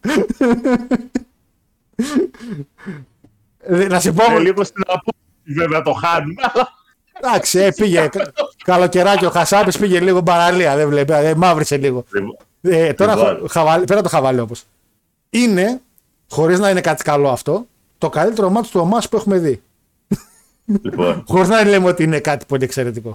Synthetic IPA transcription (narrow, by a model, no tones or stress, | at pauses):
ðnɐsipoliɣosinɐpo | iveveɐt̪oxɐnuɐlɐ | d̪ɐksiepiʝekkɐlo̞ce̞ɾɐcioxɐsɐpispiʝe̞liɣobɐɾɐliɐðevlepeemɐvɾiseliɣo̞ | et̪o̞ɾɐoxɐvɐlipeɾɐt̪oxɐvɐliopos | ine̞ | xo̞ɾiznɐinekɐt̪i̥kɐlo̞ɐft̪o̞ | t̪o̞kalit̪e̞ɾo̞mɐt̪o̥st̪uomɐspue̞xume̞ði | o̰nxo̞ɾiznɐilemeo̞t̪iinekɐt̪i̥po̞lie̞kse̞ɾe̞t̪iko̞